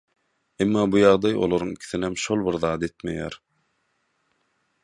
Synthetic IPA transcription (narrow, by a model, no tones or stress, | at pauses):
emːɑːbujɑʁd̪ɑjo̰lˠoɾuŋikʲʰi̥θinemʃo̞lˠbiɾðɑːd̪e̞t̪mḛjæ̰ːɾ